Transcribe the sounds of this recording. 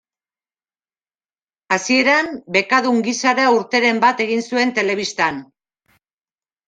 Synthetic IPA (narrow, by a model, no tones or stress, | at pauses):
asie̞ɾambe̞kaðuŋɡisaɾauɾt̪eɾe̞mbat̪e̞ɣinsue̞nt̪e̞le̞β̞ist̪an